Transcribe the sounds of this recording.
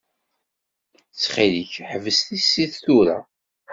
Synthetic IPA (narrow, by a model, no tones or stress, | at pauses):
t͡sːχiliçħəvəst̪isːiθθuɾa̰